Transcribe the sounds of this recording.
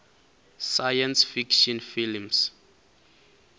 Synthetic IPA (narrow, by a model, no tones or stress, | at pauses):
sajãnsfikʃɔnfilms